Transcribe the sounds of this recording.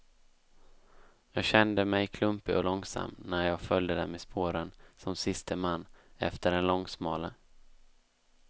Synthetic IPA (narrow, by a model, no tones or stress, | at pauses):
jɑːɡɕɛnd̪əmɛjkʰlɵmpɪɔlɔŋsa̰mːnæɾjɑːɡfœljd̪əd̪ɛnmɛspʰoːɾənsɔmsɪst̪ʰəmanːɛ̰ft̪əɖɛnlɔŋːsmɑːlə